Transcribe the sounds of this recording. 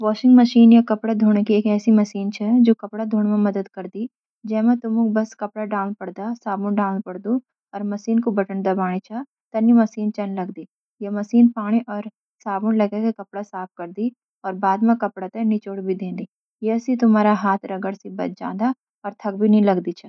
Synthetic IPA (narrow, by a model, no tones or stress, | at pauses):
ʋɔːʃɪ̃ŋɡmɐʃiːnjakɐpɽad̪ʱuːɽ̃ekieːkɛːsimɐsiːnt͡ʃʰɛd͡ʒoːkɐpɽad̪ʱuːɳmẽmɐd̪əd̪kɐɾd̪i | d͡ʒɛːmẽt̪ʊmukbɐskɐpɽaɖaːʊnpɐɽd̪asaːbʊnɖaːʊnpɐɽd̪u | ɔːɾmɐsiːnkobɐʈənd̪ɐbaːɽ̃it͡ʃʰa | t̪ɐnjimɐsiːnt͡ʃɐnlɐɡd̪iː | jemɐsiːnpaːɽ̃iʔɔːɾ | saːbʊnlɐɡekekɐpɽasaːp̚ʰkɐɾd̪i | ɔːɾbaːd̪mẽkɐpɽat̪ẽnit͡ʃoːɽbʱid̪ẽːnd̪iː | jɛsit̪ʊmaːɾaɦaːt̪ʰɾɐɡəɽsibɐ̰t̪̚d͡ʒa̰ːd̪a | ɔːɾt̪ʰɐk̚bʱinɐɦĩlɐɡd̪it͡ʃʰɛ